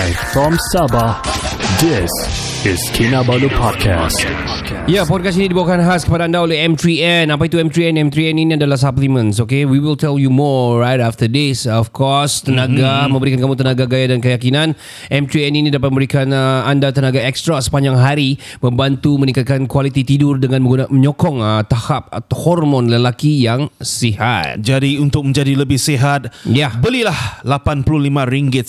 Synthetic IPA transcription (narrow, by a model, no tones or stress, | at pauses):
ajfɔmsabad̪ɪs | ɪskʰinabalupʰɔd̚kʰa̰st | japɔd̚kasinidibawakanɦaskəpadaːndaolɛɦɛmt̪ɾiɛnapait̪uɛmt̪ɾiɛnɛmt̪ɾiɛninĩadalahs̬aplimə̃ns̬okewiwiltɛljumɔɹajtaft̪ədɪsɔfkʰɔst̪ənãɡamə̃mbəɾikankamũt̪ənãɡaɡajadankəjakinãn | ʔɛmtiɛninidapat̚məmbəɾikanəandat̪ənãɡaɛkst̪ɾasə̥paɲd͡ʒaŋɦaɾimə̃mbant̪umənikat̪̚kankwalit̪it̪idʊrdəŋãnməɡuaməɲɔkɔŋət̪ahap̚hɔrmɔ̃nləlakijaŋsiha̰t̪t̪̚d͡ʒadiunt̪ʊk̚mə̃ɲd͡ʒadiləbɪhsiɦat̪̚jabəlilahlapanplʊlimãɾiŋɡɪt̪̚